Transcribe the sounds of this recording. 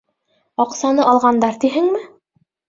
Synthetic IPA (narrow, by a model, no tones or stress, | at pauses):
ɑqsɑnɤʔɑlˠʁɑnd̪ɑɾt̪iɦɘŋmɘ